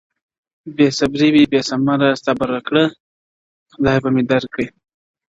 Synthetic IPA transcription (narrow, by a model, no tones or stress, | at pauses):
besabɾiwibesamaɾast̪abaɾakɽə | xd̪ɑbamed̪aɾkːəj